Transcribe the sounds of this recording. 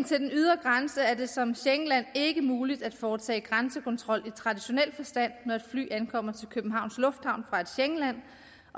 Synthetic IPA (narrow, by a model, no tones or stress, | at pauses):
nt͡sʰe̝ld̥enyðˠɐɡ̥ʁansəæɐde̝sɒ̽mɕeŋəlæn̰e̝ɡ̥əmuːlid̥æd̥fɒːt͡sʰɛ̰ːɡ̥ʁansəkʰɒ̽nt͡sʰʁɒ̽l̰it͡sʰʁɑ̈diɕo̝nel̰fɒ̽sd̥æn̰nɒe̝d̥fly̰ːænkʰɒ̽m̰ɐt͡sʰe̝lkʰøb̥m̩ɦɑ̈ʊ̰nslɔ̽fd̥hɑ̈ʊ̰nfʁɑ̈e̝d̥ɕeŋəlæn̰ | ɒ